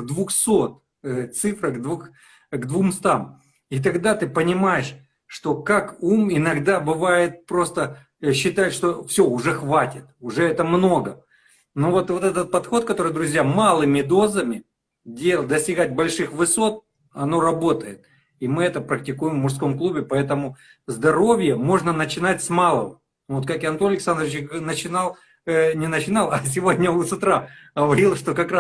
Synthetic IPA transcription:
ɡd̪vʊxso̞t̪̚ | t̪sɨfɾəɡd̪vux | ɡd̪vumst̪am | it̪̬ɐɡd̪at̪ɨpənʲɪmajɪʂ | ʂt̪o̞kakumɪnɐɡd̪abɨvajɪt̪̚pɾo̞st̪ə | ɕːɪt̪aɪʂt̪o̞fsʲoʊʐɛxvatʲɪt̪ʊʐɛɛt̪əmno̞ɡə | no̞vo̞t̪vo̞t̪ɛt̪ət̪̚pɐt̪xo̞t̪̚kɐt̪o̞ɾɨjd̪ɾʊzʲjamalˠɨmʲɪd̪o̞zəmʲɪ | dʲelˠd̪əsʲtʲɪɡat̚ʲbɐlʲʂɨxvɨso̞t̪̚ | ɐno̞ɾɐbo̞t̪əjɪt̪̚ | imɨɛt̪əpɾək̚tʲɪkujɪmvmʊʂsko̞mklˠubʲɪpɐɛt̪əmʊ | zd̪ɐɾo̞vʲjəmo̞ʐnənət͡ɕɪnatʲsmalˠəm | vot̪kakɨɐnt̪oɐlʲɪksand̪ɾəʋʲɪt͡ɕnət͡ɕɪnalˠ | nʲɪnət͡ɕɪnalˠɐs̬ʲɪvo̞dʲnʲəʊsʊt̪ɾaɡəvɐɾʲilˠʂt̪o̞kɐkɾa

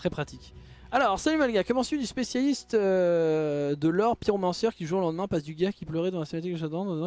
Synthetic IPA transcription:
t̪χɛpχat̪ikʲ | alɔʁsalymalɡʲakɔmɑ̃sɥid̪yspesjalist̪ø | d̪əlɔʁpjiʁomɑ̃sœʁkʲiʒuolɑ̃d̪mɛ̃pasd̪yɡakʲiplœʁɛd̪ɑ̃lasemat̪̬ik̪ʒad̪ɑ̃

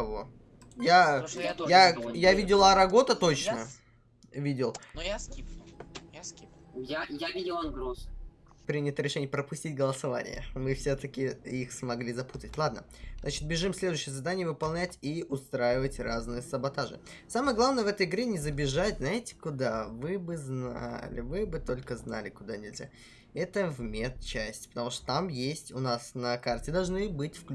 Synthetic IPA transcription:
ɐvo | jajajavʲidʲɪlˠɐɾɐɡo̞t̪ət̪o̞t͡ɕnə | vʲidʲɪlˠʲipʲ | ip | jajavʲidʲɪlˠɐnɡɾos | pɾʲinʲɪt̪əɾʲɪʂɛnʲɪjəpɾəpʊsʲtʲit̚ʲɡəlˠəsɐva̰nʲɪ̰jə̰mɨfsʲot̪əkʲɪixsmɐɡlʲizɐput̪ətʲlˠad̪̚nəznat͡ɕɪt̪̚bʲɪʐɨmsʲlʲed̪ʊjːɕɪjəzɐd̪anʲɪjəvɨpɐlˠnʲætʲiʊst̪ɾajɪvətʲraznɨjəsəbɐt̪aʐɨ̰ | saməjəɡlˠavnəjəvɛt̪əjɪɡɾʲenʲɪzəbʲɪʐatʲznaɪtʲɪ̥kʊd̪avɨbɨzna̰lʲɪ̰vɨbɨt̪o̞lʲkəzna̰lʲɪkʊd̪anʲɪlʲzʲa̰ | ɛt̪əvmʲet̪̚t͡ɕæsʲtʲɪ̥pət̪ɐmuʂt̪o̥t̪amjesʲtʲʊnasnɐkartʲɪd̪ɐlˠʐnɨbɨtʲfk

